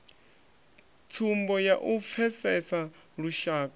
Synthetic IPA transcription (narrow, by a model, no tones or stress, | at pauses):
tʰumbɔjaʔup̪fʰɛsɛsa | ɺuʃaːkʼa